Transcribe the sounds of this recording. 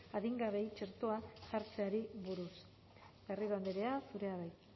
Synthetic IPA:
aðiŋɡaβe̞jt͡ʃe̞ɾt̪oasaɾt͡se̞aɾiβuɾus | beriɾoand̪eɾe̞asuɾe̞aβaj

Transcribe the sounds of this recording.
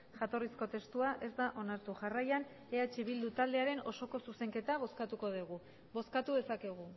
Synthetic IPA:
ʝat̪o̞risko̞t̪e̞st̪uaʔe̞zd̪aʔo̞naɾt̪uʝarajan | eat͡ʃiβild̪ut̪ald̪e̞aɾe̞no̞so̞ko̞suse̞ŋke̞t̪aβ̞o̞skat̪uko̞ð̞iɣ̞u | βo̞skat̪uðe̞sakeɣ̞u

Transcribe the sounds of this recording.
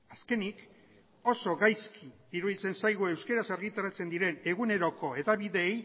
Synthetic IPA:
aske̞nik | o̞so̞ɣajskʰi | iɾuðit͡se̞nsajɣ̞ue̞wske̞ɾaseɾɣit̪aɾat͡se̞nd̪iɾe̞ne̞ɣune̞ɾo̞ko̞e̞ðaβiðe̞j

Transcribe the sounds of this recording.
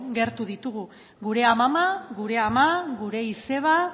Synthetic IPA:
ɡe̞ɾt̪uðit̪uɣu | ɡuɾe̞amamaɡuɾe̞amaɡuɾe̞ise̞β̞a

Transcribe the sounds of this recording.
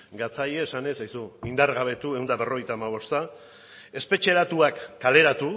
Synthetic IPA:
ɡat͡sajeːsane̞sajsuind̪aɾɣaβ̞e̞t̪ue̞wnd̪aβe̞ro̞ɣejt̪aːmaβ̞o̞st̪a | e̞spe̞t͡ʃe̞ɾat̪uakːale̞ɾat̪u

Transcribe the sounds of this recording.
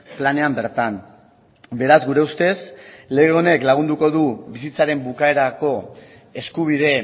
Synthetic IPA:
plane̞ambe̞ɾt̪an | be̞ɾazɡuɾe̞ust̪e̞sle̞ɣ̞e̞one̞klaɣ̞und̪uko̞ðuβisit͡saɾe̞mbukae̞ɾako̞ | e̞skuβ̞ið̞e̞

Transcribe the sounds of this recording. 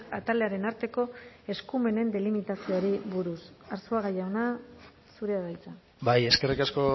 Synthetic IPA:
at̪ale̞aɾe̞naɾt̪e̞ko̞e̞skume̞ne̞nd̪e̞limit̪asio̞ɾiβuɾusaɾsuaɣajaona | suɾe̞aβajt͡sa | baje̞ske̞rikasko̞

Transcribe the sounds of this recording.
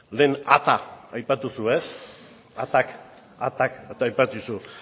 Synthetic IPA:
le̞ːnat̪aajpat̪usues | at̪ak | at̪ak̪ajpat̪usu

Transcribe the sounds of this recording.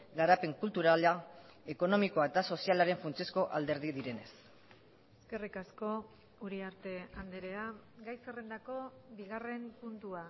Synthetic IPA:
ɡaɾape̞ŋkult̪uɾalae̞ko̞no̞mikoaet̪aso̞sialaɾe̞ɱfunt͡siesko̞ʔald̪e̞ɾðiðiɾe̞ne̞s | eske̞rikasko̞ | uɾiaɾt̪e̞and̪eɾe̞aɡajsere̞nd̪ako̞biɣ̞are̞mpunt̪ua

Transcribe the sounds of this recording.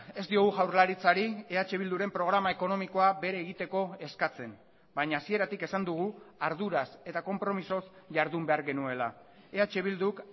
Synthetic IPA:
e̞zd̪io̞ɣuʝawɾlaɾit͡saɾieat͡ʃe̞βild̪uɾe̞mpɾo̞ɣ̞ɾamaeko̞no̞miko̞abe̞ɾeːɣit̪e̞ko̞e̞skat͡se̞n | baɲaːsie̞ɾat̪ike̞sand̪uɣ̞uaɾðuɾase̞t̪ako̞mpɾo̞miso̞s | ʝaɾðumbe̞aɾɣe̞nue̞la̰ | e̞at͡ʃe̞β̞ild̪uk

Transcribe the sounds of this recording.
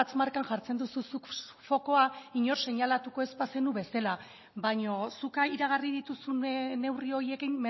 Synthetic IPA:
t͡smaɾkanʝaɾt͡se̞nd̪ususukfo̞ko̞aiɲo̞ɾse̞ɲalat̪uko̞espase̞nuβe̞sela | βaɲo̞sukaiɾaɣ̞arið̞it̪usunne̞wrio̞ɾie̞kimː

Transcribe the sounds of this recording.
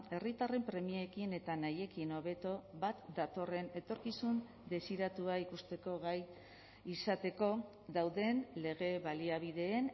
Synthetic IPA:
e̞rit̪are̞mpɾe̞mieekine̞t̪anaje̞kino̞β̞e̞t̪o̞βat̪d̪at̪o̞re̞ne̞t̪o̞ɾkisun | d̪e̞siɾat̪uaikust̪e̞ko̞ɣaj | isat̪e̞ko̞ | ðawðe̞nle̞ɣ̞e̞βaliaβ̞iðe̞ːn

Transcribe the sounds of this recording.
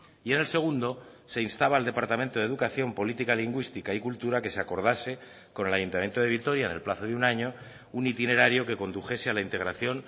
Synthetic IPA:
iene̞lse̞ɣ̞und̪o̞se̞inst̪aβald̪e̞paɾt̪amẽ̞nt̪o̞ðeðukaθjo̞mpo̞lit̪ikaliŋɡwist̪ikaikult̪uɾake̞seako̞ɾð̞ase̞ | ko̞ne̞lajunt̪amjent̪oð̞e̞β̞it̪o̞ɾjaene̞lplaθoðeunaɲo̞ | unit̪ine̞ɾaɾjo̞ke̞ko̞nd̪uxe̞sealaint̪e̞ɣɾaθjo̞n

